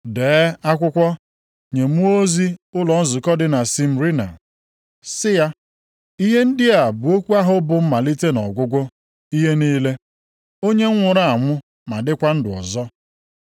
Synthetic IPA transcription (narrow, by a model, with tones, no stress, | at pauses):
deː˨˦a˦kʷʊ˦kʷɔ˦ | ɲe˨mu˦o˦zi˦ʊ˦lɔ˨n̩˦zʊ˨kɔ˦dɪ˨na˨si˦m̩˨ɾi˦na̰˨ | sɪ˦ja˦ | i˦ɦe˦n̩˦dɪ˦a˨bu˨o˦kʷu˦a˦ɦʊ˨bʊ˨m̩˦ma˨li˦te˦nɔ̰˨ɡʷʊ˦ɡʷo˦ | i˦ɦe˦niː˦le˦ | o˦ɲe˦ŋ̩˦ŋʷʊ˨ɾa˦a˨ŋʷʊ˦ | ma˨dɪ˦kʷa˦n̩˦dɪ˨ɔ̰˨zɔ˦